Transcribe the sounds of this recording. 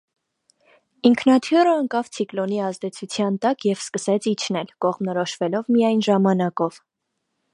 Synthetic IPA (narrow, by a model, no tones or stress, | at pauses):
iŋkʰnɑt̪ʰjuɾəəŋkɑvt͡sʰiklɔniɑzd̪ɛt͡sʰut͡sʰjɑnt̪ɑkjɛv̥skəsɛt͡sʰit͡ʃʰnɛlkɔʁmnɔɾɔʃvɛlɔvmijɑjnʒɑmɑnɑkɔv̥